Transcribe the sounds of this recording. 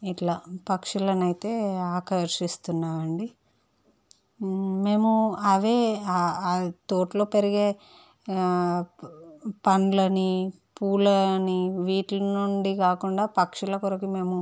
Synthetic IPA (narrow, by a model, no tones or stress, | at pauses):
iʈlaːpɐkʂulɐnɐjt̪e̞ːaːkɐɾʂist̪unːaːʋɐɳɖi | me̞ːmuɐʋe̞ː | t̪oːʈloːpeɾiɡe̞ː | pɐnlɐni | puːlɐniʋiːʈlɐnuɳɖikaːkuɳɖaːpɐkʂulɐkoɾɐkime̞ːmu